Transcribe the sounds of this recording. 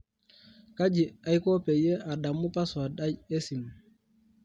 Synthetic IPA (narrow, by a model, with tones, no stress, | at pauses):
ka˦d͡ʒi˨a˦jko˦pe˨je˦ʔa˨ɗa˨mːu˦pa˦swa˨ɗa˦ɟe˦si˨m